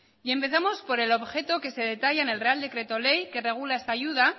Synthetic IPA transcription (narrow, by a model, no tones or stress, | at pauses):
ie̞mpe̞θamo̞spo̞ɾe̞lo̞βxe̞t̪o̞ke̞se̞ð̞e̞t̪aʝaene̞lre̞ald̪e̞kɾe̞t̪o̞le̞jke̞re̞ɣ̞ulae̞st̪aːʝuð̞a